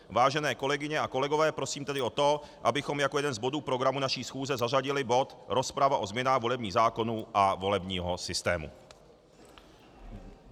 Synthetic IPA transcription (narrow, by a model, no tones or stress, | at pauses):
vaːʒɛnɛːko̞lɛɡɪɲɛʔako̞lɛɡovɛːpɾo̞siːmt̪ɛdɪʔo̞t̪o̞ | ʔabɪxo̞mjako̞jɛdɛnzbo̞duːpɾo̞ɡɾamunaʃiːsxuːzɛzar̝aɟɪlɪbo̞t̪ɾo̞spɾavaʔo̞zmɲɛnaːɣvo̞lɛbɲiːzaːko̞nuʔavo̞lɛbɲiːɦosɪst̪ɛ̰ːmṵ